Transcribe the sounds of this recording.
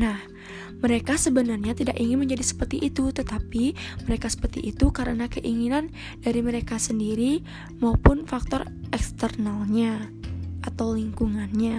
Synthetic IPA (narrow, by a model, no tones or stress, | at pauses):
nah | məɾekasəbənarɲat̪idakiŋɪnməɲd͡ʒadisə̥pərt̪iʔiːt̪ut̪ət̪apiməɾekasə̥pərt̪ḭʔːt̪ukaɾənakəʔiŋinan | daɾiməɾekasəndiɾi | maupʊnfak̚t̪ɔr | ɛkst̪ərnalɲa | ʔat̪awliŋkuŋanɲa